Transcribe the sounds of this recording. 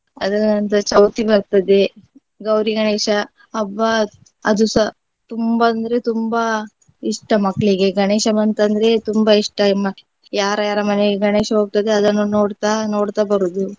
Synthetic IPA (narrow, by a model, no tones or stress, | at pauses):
ɐd̪ɐnɐnt̪ɐt͡ʃɐwt̪ibɐɾt̪ɐd̪e̞ | ɡɐwɾiɡɐɳeːʃɐː | ʋːɐ | ɐd̪usɐ | t̪umbaːnd̪ɐɾe̞t̪umba | iʂʈɐmɐkːɐɭiɡe̞ɡɐɳeːʃɐmɐnt̪ɐnd̪ɐɾe̞t̪umbaiʂʈɐmɐ | jaːɾɐjaːɾɐmɐneɡeɡɐneːʃɐɦoːɡ̚t̪ɐd̪e̞ɐd̪ɐnːunoːɽt̪ano̞ːɽt̪abɐɾud̪u